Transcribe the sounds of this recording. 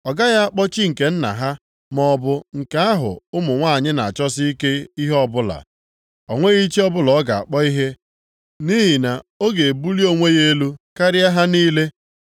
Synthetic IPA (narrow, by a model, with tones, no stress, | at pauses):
ɔ˨ɡa˦ja˦a˦k͡pɔ˦t͡ʃi˦ŋ̩˨ke˨n̩˦na̰˨ɦa˦ | mɔ˦bʊ˦ŋ̩˨ka˦a˦ɦʊ̰˨ʊ˦mʊ˨ŋʷa˦˨ɲɪ˦na˨a˨t͡ʃɔ˦si˦i˦ke˦i˦ɦɔ˦bʊ˦la̰˨ | ɔ˨ŋʷe˦ɣi˦t͡ʃi˦ɔ˦bʊ˦lɔ˨˦ɡa˨a̰˨k͡pɔ˦i˦ɦe˦ | ni˦ɦi˨na˨o˦ɡe˨bu˦li˦o˦ŋʷe˦ɣe˦lu˦ka˦ɾɪ˦a˦ɦa˦niː˦le˦